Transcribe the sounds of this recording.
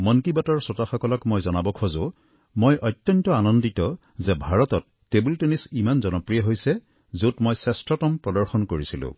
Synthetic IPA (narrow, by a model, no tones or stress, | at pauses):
mɔnkibatɔɹsɔtaxɔkɔlɔkmojzɔnabɔkʰozʊ | mojʔɔtjɔntɔanɔnditɔ | zɛbʱaɹɔtɔtːebiltenisimanzɔnɔpɹijɔɦojsɛ | zotmojsɛstɹɔtɔmpɹɔdɔɹxɔnkoɹisilʊ̰̃